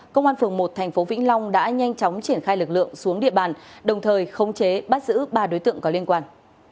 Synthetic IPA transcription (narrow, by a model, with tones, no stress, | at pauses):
kə˧wŋ͡mʔaː˧nfɨ˨˩əŋmo˨˩t̚t̪ʰɛ˨˩ŋ̟fo˨˦vḭ˧˥ŋ̟lɔ˧wŋ͡mɗa̰ː˧˥ɲa˧jŋt͡ɕɔ˨˦wŋ͡mt͡ɕi˧˩ənxaː˧jlɨ˨˩k̚lɨ̰˧˨əŋsu˨˦əŋɗḭ˧˨əɓaː˨˩nɗə˨˩wŋ͡mt̪ʰəː˨˩jxə˧wŋ͡mt͡ɕe˨˦ɓa˦˥t̚zɨ̰˧˥ɓaː˧˩ɗo˨˦jt̪ɨ̰˧˨əŋkɔ˨˦li˧ənkwaː˧n